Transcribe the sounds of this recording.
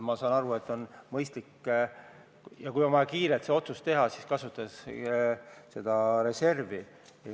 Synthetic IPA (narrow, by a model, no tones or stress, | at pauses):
mɑsɑːnɑɾue̞t̪ːˑo̞nmɤjst̪likː | jɑkujomɑɑkiːɾet̪seo̞t̪sust̪e̞ɦɑsiskɑsut̪ːˑɑs | se̞d̪̥ɑɾe̞se̞rvi